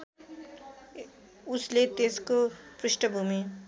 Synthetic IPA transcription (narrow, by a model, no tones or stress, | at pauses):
ʊslet̪eːskopɾɪʃʈəbʱumẽ